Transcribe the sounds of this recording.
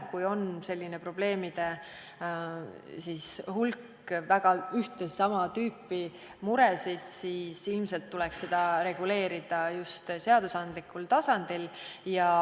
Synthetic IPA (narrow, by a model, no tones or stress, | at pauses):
kujo̞nse̞lʲːinepro̞b̥le̞ːmid̪̥e̞ | sishulkː | væɡ̥ɑyht̪e̞sɑmɑt̪yːpːˑi | muɾesid̪̥siːsilmse̞lt̪ːuleksːe̞d̪̥ɑɾe̞ɡ̥ule̞ːɾid̪̥ɑjust̪se̞ɑd̪̥usɑnd̪likːult̪ɑsɑnd̪̥iljɑ